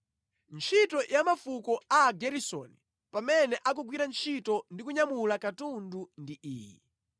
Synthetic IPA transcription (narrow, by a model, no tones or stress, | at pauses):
nt͡ʃʰitɔjʔamafukɔaɡɛɾisɔ̰ni | pamɛnɛʔak̬uɡwiɾant͡ʃʰitɔndikuɲamulakatundundiʔiːjḭ